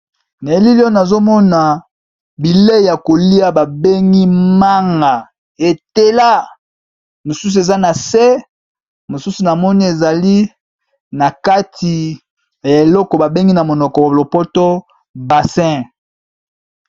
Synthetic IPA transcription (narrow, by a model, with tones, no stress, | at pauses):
na˨e˦li˦li˦ɔ˦na˨zo˦mɔ˦na˨ | bi˨le˦˨ja˨ko˨li˦a˦ba˨be˦ŋɡi˦ma˦ŋɡa˨ | e˨te˦la˦ | mo˨su˦s̬u˨e˨za˦na˨sɛ˦ | mo˨su˦su˨na˨mɔ˦ni˦e˨za˨li˦ | na˨ka˦tʰi˨ | ja˨e˨lɔ˦kɔ˨ba˨be˦ŋɡi˦na˨mo˨nɔ˨kɔ˨lo˨pɔ˦tɔ˦ | ba˨sɛ̃˦